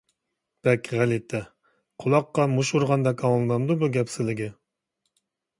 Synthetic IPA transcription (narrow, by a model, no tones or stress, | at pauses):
b̥ɛkʲʰʁælɪt̪ʰːɛ | qʰolˠɑqːɑmuʃuɾʁɑnd̪ɑkʲʰɑŋlˠɨnɑmd̪ubuɡʲɛpsɪzlɪɡʲɪ